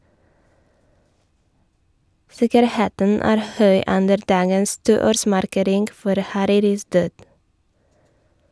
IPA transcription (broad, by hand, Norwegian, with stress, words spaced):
ˈsɪkəɾˌheːtən ˈæːɾ ˈhœʏ ˈʉndəɾ ˈdɑːɡəns ˈtuːˌoːɾsmɑɾˌkeːɾɪŋɡ ˈfɔɾ hɑˈɾiːɾɪs ˈdøːd